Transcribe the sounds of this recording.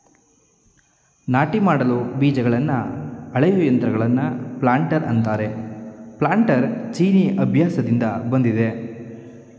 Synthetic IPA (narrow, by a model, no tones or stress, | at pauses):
naːʈimaːɽɐlubiːd͡ʒɐɡɐɭɐnːɐɐɭɐjuːjɐnt̪ɾɐɡɐɭɐnːɐplaːɳʈɐɾɐ̰nt̪aːɾe̞plaːɳʈɐɾt͡ʃiːniʔɐbʱjaːsɐd̪ind̪ɐbɐnd̪id̪e̞